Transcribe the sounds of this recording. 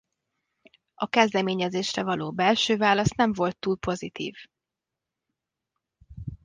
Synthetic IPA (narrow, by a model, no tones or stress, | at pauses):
ɒkɛzd̪ɛmeːɲɛzeːʃrɛvɒloːbɛlʃøːvaːlɒsnɛɱvo̞lt̪ːuːlpo̞zit̪ḭːv